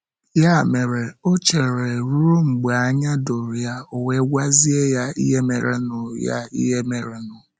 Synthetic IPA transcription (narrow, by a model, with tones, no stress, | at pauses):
ja˦˨me˨ɾe˨o˦t͡ʃe˨ɾe˨ɾu˦ɾo˦ŋ͡m̩˨ɡ͡be˨a˦ɲa˦do˨ɾja˦o˨we˦ɡʷa˦zi˦e˦ja˦ḭ˦ɦe˦mḛ˨ɾḛ˦nʊ˨ja̰˦ḭ˦ɦe˦me˨ɾe˨nʊ˨